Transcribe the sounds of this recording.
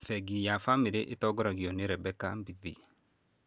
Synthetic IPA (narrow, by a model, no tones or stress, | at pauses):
fɛɡijafamiɾeʔetɔɡɔɾaɡiɔneɾɛbɛka̰mbiðḭ